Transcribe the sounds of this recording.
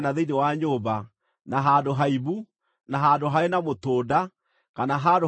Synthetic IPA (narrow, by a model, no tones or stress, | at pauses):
naðeinewaɲoːba | naɦadoɦaiβu | naɦadoɦaenamotoːda | kanaɦado